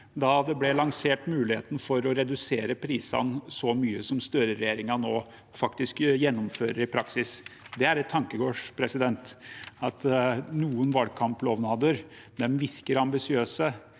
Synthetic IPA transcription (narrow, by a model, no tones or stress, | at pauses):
d̪ɑd̪ɛblɛlɑŋseːʈmʉːlɪheːt̪n̩fɔɾɔɾɛd̪ʉseːɾəpʰɾiːsɑ̰nsɔmyːəsɔmst̪œɾəɾɛjeːɾɪŋɑnoː | fɑkt̪ɪskjɛnːʊmføːɾəɾɪpʰɾɑksɪsd̪ɛæɾɛt̪ʰːɑŋkəɡoːʂpʰɾɛsɪd̪ɛnt̪ɑt̪nuːənʋɑlkʰɑmploːʋnɑːd̪əɾ | d̪ɛmʋɪɾkəɾɑmbɪsɪøːsə